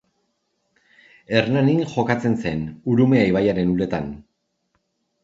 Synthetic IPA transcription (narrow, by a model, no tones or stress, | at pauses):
e̞rnaninʝo̞kat͡se̞nse̞nuɾume̞aiβajaɾe̞nule̞t̪an